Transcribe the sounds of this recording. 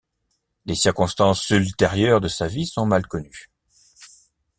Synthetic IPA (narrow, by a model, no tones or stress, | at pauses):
lesiʁkɔ̃st̪ɑ̃sylt̪eʁjœʁd̪əsavisɔ̃malkɔny